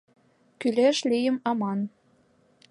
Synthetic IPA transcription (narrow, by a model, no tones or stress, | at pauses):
kyleʃlijəmɑmɑn